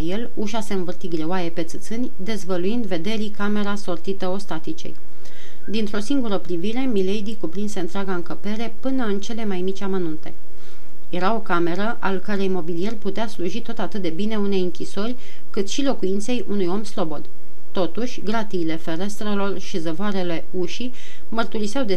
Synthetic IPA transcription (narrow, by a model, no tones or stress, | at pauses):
aje̞l | uʃase̞ɨnvɨrt̪iɡɾewajepe̞t̪sɨt̪sɨnʲd̪e̞zvəluind̪ve̞d̪e̞ɾikame̞ɾaso̞rt̪it̪əo̞st̪at̪it͡ʃe̞̰j | d̪int̪ɾo̞siŋɡuɾəpɾiviɾe̞milejd̪ikupɾinse̞ɨnt̪ɾʲaɡaɨŋkəpe̞ɾe̞pɨnəɨnt͡ʃe̞le̞majmit͡ʃʲamənunt̪e̞̰ | je̞ɾao̞kame̞ɾəʔalkəɾe̞jmo̞bilije̞rput̪easluʒit̪o̞t̪at̪ɨt̪̚d̪e̞bine̞une̞jɨŋkʲiso̞rʲ | kɨt̪ʃilo̞kujint̪se̞jʔunujo̞mslo̞bo̞d̪ | t̪o̞t̪uʃʲɡɾat̪iːle̞fe̞ɾe̞st̪ɾelo̞rʃizəvoaɾe̞le̞ | uʃi | mərt̪uɾiseawd̪e̞